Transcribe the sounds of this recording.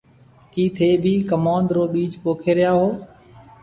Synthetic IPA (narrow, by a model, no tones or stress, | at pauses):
kiːt̪ʰeːbʱiːkəmaːnd̪ɾoːɓiːd͡ʒpoːkʰeːɾɪjaːɦoː